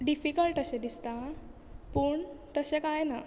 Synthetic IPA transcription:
ɖifikəlʈəɕẽd̪ist̪a | pəːɳt̪əɕekajna

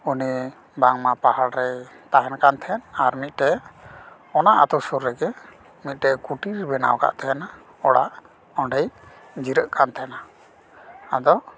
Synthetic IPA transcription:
uni | baŋmapahaɽɾɛ | t̪aɦɛnkant̪ʰɛnaɾmit̪̚ˀʈɛ | ɔnaʔat̪ɔsuɾːɛɡɛ | mit̪̚ˀʈɛkuʈiɾbɛna̰wka̰ʔt̪ʰɛjana | ɔɽaʔ | ɔɳɖəj | d͡ʒiɾəʔkʰant̪ʰɛɛna | ad̪ɔ

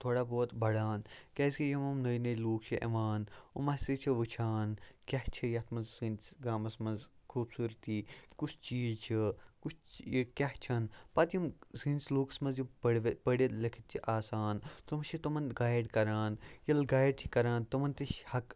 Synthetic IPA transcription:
t̪ʰoːɽaːboːt̪bɐɽaːnkʲeːskijimɐmnɐjnɐjluːk̚t͡ʃʰiʔɐ̰ʋaːnṵmɐsit͡ʃʰiʋɨt͡ʃʰaːnkʲɐht͡ʃʰijɐt̪ʰmɐnzsinʲsɡaːmɐsmɐnzkʰuːbsuːɾt̪iːkut͡ʃʰt͡ʃiːzt͡ʃʰikut͡ʃʰkʲɐht͡ʃʰɐnpɐt̪jimsinʲsluːkɐ̥smɐnzjipɐɽʋpɐɽilɐkʰit̪̚t͡ʃʰiʔaːsaːnt̪omɐʃʰit̪omɐnɡaːjɖkɐɾaːnjɐlɡaːjɖ̚t̪ʰi̥kɐɾaːnt̪omɐnt̪iʃhɐk

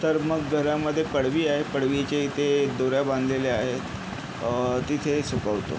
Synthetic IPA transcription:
t̪əɾməɡːʱəɾaməd̪ʱːjepəɽʋiːaɦepəɽʋit͡ɕeit̪ʰed̪oɾjabãnd̪ʱleleaɦet̪ | t̪it̪ʰesukəʋt̪o̰

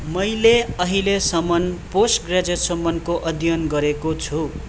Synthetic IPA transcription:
mʌjleʌɦilesʌmʌnposʈɡrad͡zʌsʌmːʌnkoʔʌd̪ʱjʌnɡʌɾekot͡sʰu

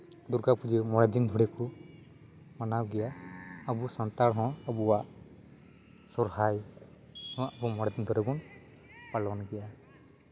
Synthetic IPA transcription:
d̪uɾɡapud͡ʒɯmɔɽɛd̪ind̪ʱɔɽɛku | manawɡɛjaːbusant̪aɽɦɔ̃abuwaʔ | sɔɾhaj | hɔ̃abumɔɽɛd̪ind̪ʱɔɾɛbɔn | palɔnɡɛja

